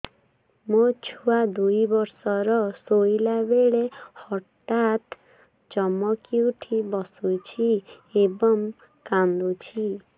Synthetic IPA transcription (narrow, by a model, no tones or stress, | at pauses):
mot͡ʃʰuad̪ujbɔɾsɔɾɔsojlabeɭehɔʈat̪ | t͡ʃɔmɔkiuʈʰibɔsut͡ʃʰi | ebɔŋ | kand̪ut͡ʃʰi